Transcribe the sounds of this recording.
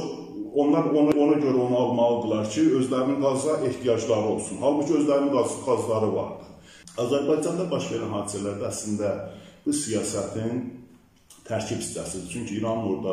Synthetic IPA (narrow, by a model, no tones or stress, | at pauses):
o̞nlˠɑɾo̞nɑo̞nɑɟø̞ɾæonɑlˠmɑlˠɯd̪ɯlˠɑɾcʰiø̞zlæɾininɡɑzɑʔe̞ht̪ijɑd͡ʒlˠɑɾɯo̞lˠsunhɑlˠbucʰiø̞zlæɾinminɡɑzɯɡɑzlˠɑɾɯvɑ̰ɾd̪ɯ | ɑzæɾbɑjd͡ʒɑnd̪ɑbɑʃve̞ɾænɦɑːd̪isælæɾd̪æːslind̪æb̥usijɑːsæt̪ʰin | t̪ʰæɾcʰibi̥st͡ʃ̪ʰæ̰sid̪it͡ʃʰyɲcʰiːɾɑnoɾd̪ɑ